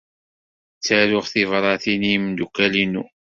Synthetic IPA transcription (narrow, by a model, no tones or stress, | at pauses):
t͡sːæɾʊʁθivɾˤɑθinimnd̪ukːælinu